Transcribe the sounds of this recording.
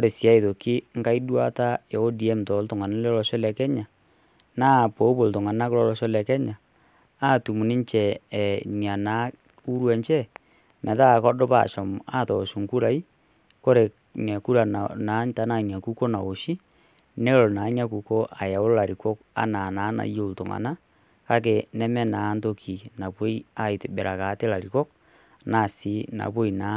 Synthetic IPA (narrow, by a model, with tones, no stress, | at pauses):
ko˦ɾe˨sja˦i˨ðo˨ki˦ŋ˦ka˦i˦dwa˦ta˦jɛ˨o˦di˨ɛ˦mtɔ˨˦ltʊ˨ŋa˨na˦lɛ˦lɔ˨˦ʃɔ˦lɛ˨kɛ˦ɲa˨ | naː˦˨po˨˦bo˨ltʊ˨ŋa˨na˦kɾɔ˦lɔ˨ʃɔ˦lɛ˨kɛ˦ɲa˨ | a˦tu˨mu˨ni˦ɲt͡ʃɛ˨ni˨a˨naː˨˦ | u˦ɾwɛ˨ɲt͡ʃɛ˦ | mɛ˨ða˦˨kɔ˦dɔ˦pa̰˦˨ʃɔ˨ma˦tɔ˨su˨ŋku˦ɾa˨i˦ | ko˦ɾe˨ | ɲɛ˨ku˦ɾa˨na˨˦n˦ta˦na˦˨n˨a˨ku˦ko˦na˨o˨ʃi˦ | ne˦o˦lo˨na˨˦ɲa˦ku˨ko˦ʔa˨ja˨o˦o˦la˨ɾi˨kɔ˦ka̰˦na˨na˨˦na̰˨ijo˦˨to˨ŋa̰˨na˦ | ka˦k̬e˨nɛ˦mɛ˦naː˨˦ndo˦kʰi˨na˨βwo˦i˦a˦i˨te˨be˨ɾa˨ka˨˦te˦la˨ɾi˨kɔ˦k̚ | na˦˨si˨˦na̰˨βwo˦i˨na˨˦